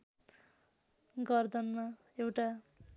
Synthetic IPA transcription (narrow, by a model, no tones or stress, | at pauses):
ɡʌrd̪ʌnma | ewʈa